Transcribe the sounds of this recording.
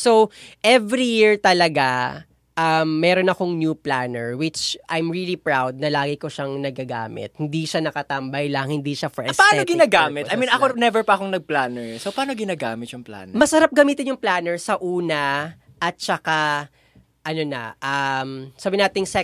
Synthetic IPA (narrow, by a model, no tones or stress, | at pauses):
sowʔɛvɾijiɹt̪ɐlɐɡa | ʔɐmːɛɾo̞nɐko̞ŋnjuplanɛɹwɪt͡ʃʔajmɹilipɹawd̪̚nɐlaːɡɪkoʃaŋnɐɡ̚aɡa̰ːmɪ̰t̪̚hɪnd̪iʃanɐkɐt̪ɐmbɐjlɐŋhɪnd̪iʃafɛʔɛspaʔaɛnoɡɪnaːɡaːmɪt̪ʔɐjmĩnɐkonɛvɛɹpɐɐkoŋnɐɡ̚plaːnɛɹsowpaːnoɡɪnaːɡaːmɪt̪jʊŋpla̰ːnmɐsɐɾap̚ɡɐmiːt̪ɪnjʊŋplaːnɛɹsɐʔuːnɐ | ʔɐt̪̚t͡ʃɐka | ʔɐnonɐ̰ʔɐmsaːbɪnaːt̪ɪŋsɛ